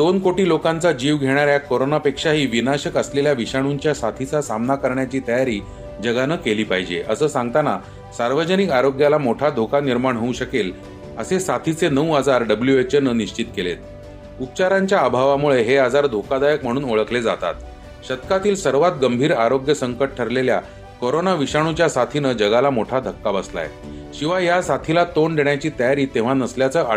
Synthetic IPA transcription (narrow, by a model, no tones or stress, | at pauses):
d̪onkoʈiːlokãnt͡sad͡ʑiːʋɡʱeɽ̃aɾjakoɾonapekʂaɦiːʋinaɕəkəsleljaʋiɕaɽ̃uɲt͡ɕjasat̪ʰit͡sasamnakəɾɳjat͡ɕiːt̪əjaɾiː | d͡ʑəɡanəkeliːpaɦid͡ʑḛʔəsəːsãŋɡt̪ana | saɾʋəd͡ʑənikaɾoɡjalamoʈʰad̪ʱokaniɾmaɳɦəuɕəkel | əsesat̪ʰit͡senəʋad͡zaɾɖəbljuʋet͡ɕəɾnəniɕt͡ɕit̪kelḛt̪̚ | up̚t͡ɕaɾaɲt͡ɕjaːbʱaʋamuɭeɦead͡zaɾd̪ʱokad̪ajəkm̤əɽ̃uːnoɭəkled͡za̰t̪a̰t̪ | ɕət̪kat̪iːlsəɾʋat̪ɡəmbʱiːɾaɾoɡjəsəŋkəʈ̚ʈʰəɾlelja̰ | koɾonaʋiɕaɽ̃ut͡ɕjasat̪ʰinəd͡ʑəɡalamoʈʰad̪ʱəkːabəsla̰jḛ | ɕiʋajasat̪ʰilat̪oɳd̪eɳjat͡ɕiːt̪əjaɾiːt̪eʋ̤anəsljat͡səʔ